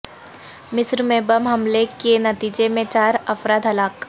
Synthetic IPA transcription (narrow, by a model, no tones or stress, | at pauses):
mɪsɾmẽbəmɦɐmlekenɐt̪iːd͡ʒemẽt͡ʃaːɾɐfɾaːd̪ɦɐlaːk